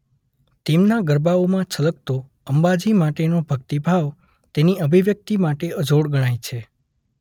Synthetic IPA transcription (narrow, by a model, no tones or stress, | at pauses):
t̪emnaɡəɾbaomãt͡ʃʰələk̚t̪o | əmbad͡ʒimaʈenobʱəɡt̪ibʱaʋ | t̪eniəbʱiʋjək̚t̪imaʈeəd͡ʒoɽɡəɽ̃ajt͡ʃʰe